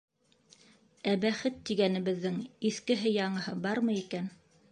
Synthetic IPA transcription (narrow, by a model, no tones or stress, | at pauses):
æbæχɘt̪ːiɡænɘ̆βɘ̆ðːɘŋiθkɘ̆ɦɘjɑɴɤ̆hɤbɑɾmɤikæn